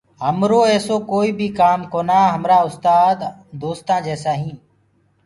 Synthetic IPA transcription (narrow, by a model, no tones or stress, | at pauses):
ɦəmɾoːɛːsoːkoːiːbʱiːkaːmkoːnaːɦəmɾaːʊst̪aːd̪d̪oːst̪ãːd͡ʒɛːsaːɦĩː